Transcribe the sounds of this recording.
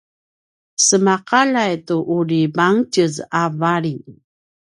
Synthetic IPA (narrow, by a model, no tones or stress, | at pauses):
səmaqalajtuʔuɾibaŋcəzavaɾiŋ